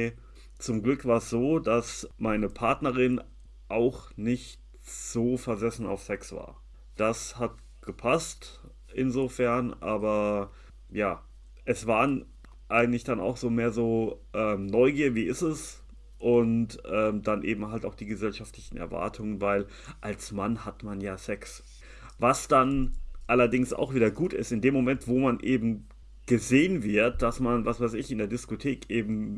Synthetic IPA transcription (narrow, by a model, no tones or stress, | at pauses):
t͡sʊmɡlʏkv̥aːɐəsz̥oːdasmaɪnəpʰaɐtnəʁɪn | ʔaʊxnɪçt | z̥oːfɛɐzɛsn̩a̰ʊfsɛksv̥a̰ːɐ | d̥ashat̚ | ɡ̥əpʰast | ʔɪnzoːfɛɐnʔaːbɐ | jaː | ʔɛsv̥aːʁən | ʔaɪɡŋ̩tlɪçd̥ana̰ʊxz̥oːmeːɐzoːʔɛːmnɔʏɡiːɐviːɪstɛs | ʔʊntʔɛːmdanʔeːbm̩ɦaltaʊxd̥iːɡəzɛlʃaftlɪçn̩ʔɛ̰ɐva̰ɐtʰʊŋənvaɪl | ʔalsmanhatmanjaːsɛks | vasd̥anʔalɐdɪŋsa̰ʊxv̥iːdɐɡuːtɪ̰stɪndeːmːomɛntv̥oːmanʔeːbm̩ | ɡ̥əzeːənvɪɐt̚d̥asmanvasv̥aɪsɪçɪndeːɐdɪskotʰeːkʔeːbm̩